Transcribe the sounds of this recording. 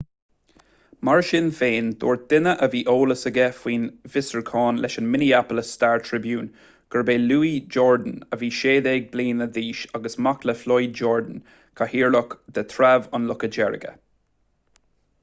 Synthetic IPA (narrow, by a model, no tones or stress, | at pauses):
maɹʃɪnfeːnd̪̥o̰ːɹ̚d̪̥ɪnəʔəviːʔoːləsəɡɛfwiːnvɪsəɹkʰɑːnlʔɛʃənmɪniapələsːtaɹt̪ʰɹɪbjuːn | ɡ̥əɹbeːluːid͡ʒɔːɹd̪ən̩əviːʃeːd̪eːɡ̚bliːnəd̪iːʃaɡəsmakləflɔjd͡ʒɔːɹd̪ən | kʰahiːɹlʊkd̪̥ət̪ʰɾavɑnlʊkəd͡ʒɛɹə̰ɡə̰